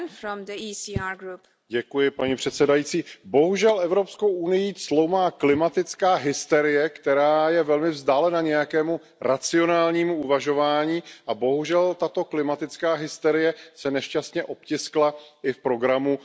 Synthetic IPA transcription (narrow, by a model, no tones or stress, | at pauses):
nfɾɔ̃mdəisiaɡɾup | ɟɛkujɪpaɲɛpr̥ɛt̪sɛdajiːt͡siːbo̞ɦuʒɛlʔɛvɾo̞pskowʔunɪjislowmaːklɪmat̪ɪt͡skaːɦɪst̪ɛɾɪjɛkt̪ɛɾaːjɛvɛlmɪvzdaːlɛnaɲɛjakɛːmu | ɾat͡sɪo̞naːlɲiːmuuvaʒo̞vaːɲiːʔabo̞ɦuʒɛlt̪at̪o̞klɪmat̪ɪt͡skaːɦɪst̪ɛɾɪjɛsɛnɛʃcast̪ɲɛʔo̞pcɪsklaʔɪfpɾo̞ɡɾamu